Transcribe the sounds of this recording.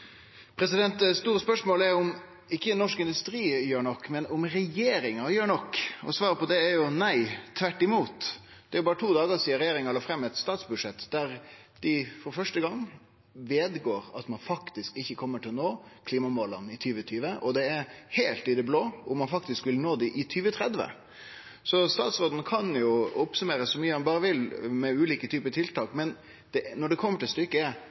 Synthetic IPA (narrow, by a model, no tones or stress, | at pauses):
pʰɾɛsɪd̪ɛnt̪st̪uːɾəspœʂmoːlæɾʊm | ɪkːənɔʂkɪnd̪ʉst̪ɾiːjøːɳɔkːmɛnʊmɾɛjeːɾɪŋɑjøːɾɳɔkːɔ̰sʋɑːɾəpɔd̪ɛæɾjʊnæɪt̪ʰʋæʈːɪmuːt̪ | d̪̥ɛæɾjʊbɑːɾət̪ʰuːd̪ɑːɡəɾsiːəɾɛjeːɾɪŋɑlɑfɾɛmːɛt̪st̪ɑːt̪sbʉd̪ʂɛt̪ːd̪̥æɾ | d̪̥ɪfɔɾfœʂʈəɡɑŋː | ʋeːd̪ɡoːɾɑt̪mɑnfɑkt̪ɪskɪçːəkʰɔmːəʈʰɪlɔnoːkʰliːmɑmoːlɑnɪt̪ʰyːʋət̪ʰyːʋəʔɔd̪ɛæɾheːlt̪ɪd̪ɛbloːʊmɑnfɑk̚t̪ɪskʋɪlnoːd̪ɪʔɪt̪ʰyːʋət̪ʰɾɛd̪ʋə̰ | sɔst̪ɑ̰ːt̪sɾoːd̪n̩kʰɑnjʊɔpsʉmeːɾəsːɔmyːəɑnbɑːɾəʋɪlmɛʉːliːkət̪ʰyːpət̪ʰɪlt̪ɑːkmɛn | d̪̥ɛnɔɖɛkʰɔmːəʈɪlst̪ʏkːə